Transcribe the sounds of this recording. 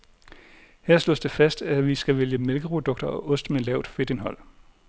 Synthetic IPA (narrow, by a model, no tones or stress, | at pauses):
hæɐ̰slɔ̰ːsd̥e̝fæsd̥æʋisɡ̥æʋeljəmelɡ̥əpʰʁo̝d̥ɔ̽ɡ̥̚d̥ɐɒ̽ʔɔ̽sd̥melɛʊ̰d̥fe̝d̥e̝nɦɒ̽l̰